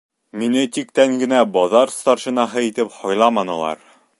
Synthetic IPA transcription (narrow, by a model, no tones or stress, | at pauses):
minɘt̪ik̚t̪æŋɡɘ̆næbɒðɑɾst̪ɑɾʃĭnɑɦɤit̪ɘphɒjlˠɑmɑnɤ̆lˠɑ̰ɾ